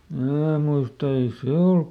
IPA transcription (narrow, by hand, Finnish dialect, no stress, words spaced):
mnæː muistɑ ei se olk